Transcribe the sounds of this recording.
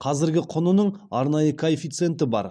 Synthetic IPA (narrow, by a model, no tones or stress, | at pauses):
qʰɑzɪɾɡʲɪqʰʊnʊnəɴɑɾnɑjəkʰoefijt̪sɨent̪ɪbɑ̰ɾ